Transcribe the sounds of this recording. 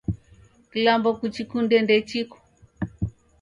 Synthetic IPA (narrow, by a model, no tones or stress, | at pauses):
kilambɔkut͡ʃikundɛndɛt͡ʃiku̥